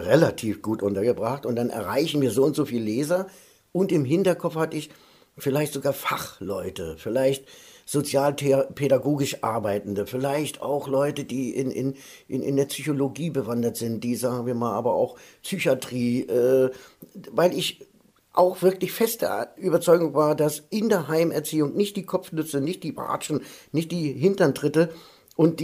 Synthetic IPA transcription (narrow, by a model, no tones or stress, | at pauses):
ʁelatʰiːfɡ̥uːtʔʊntɐɡəbʁaχtʊntd̥anɛ̰ɐʁaɪçn̩viːɐzoːʊntz̥oːfiːlleːzɐ | ʔʊntɪmɦɪntɐkʰɔp͡ffhatəɪç | fɪlaɪçtz̥oɡaːɐfaχlɔʏtəfɪlaɪçtz̥ot͡sjaːlʰpʰedaɡoːɡɪʃʔa̰ɐbaɪtn̩dəfɪlaɪçta̰ʊxlɔʏtəd̥ḭːnʔɪ̰n | ʔɪnɪ̰ndeːɐpsyçoloɡiːbəvandɐtz̥ɪnt̚d̥iːzaːɡŋ̩viːɐmaːlʔa̰ːbɐa̰ʊxpsyçatʁ̥iːʔɛː | vaɪlɪç | ʔaʊxv̥ɪɐklɪçfɛst̚d̥ḛʔyːbɐt͡sɔʏɡʊŋvaːɐdasʔɪndeːɐɦaɪmɛɐt͡siːʊŋnɪçt̚d̥iːkʰɔpp͡fnʏt͡sənɪçt̚d̥iːba̰ːt͡ʃn̩nɪçt̚d̥iːɦɪntɐntʁ̥ɪtə | ʔʊnt̚d̥